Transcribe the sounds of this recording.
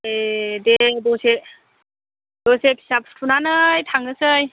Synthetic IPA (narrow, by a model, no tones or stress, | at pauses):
ededɔse | dɔsepʰi̥sapʰskʰunanɯjtʰaŋɯsɯj